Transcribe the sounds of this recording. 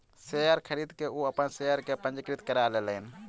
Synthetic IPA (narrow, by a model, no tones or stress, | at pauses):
seəɾkʰəɾiːd̪keuːəpənseəɾkepə̃nd͡ʒəkɾɪt̪kəɾaːlelɛn